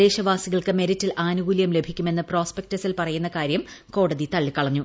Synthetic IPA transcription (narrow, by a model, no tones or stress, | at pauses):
e̞ːɕɐʋaːsiɣɐɭkɨmeɾitːilʔaːnuɡulijɐmlebʱikʲːume̞nːɨpro̞ːspek̚tɐsilpɐrɐjunːɐkaːɾjɐm | ko̞ːɽɐðit̪ɐɭːikːɐɭɐɲːu